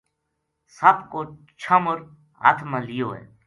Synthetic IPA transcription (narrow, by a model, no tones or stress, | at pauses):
sɐbko | t͡ʃʰɐmʊɾ | a̰ːt̪ʰmalijoːɦɛ̰ː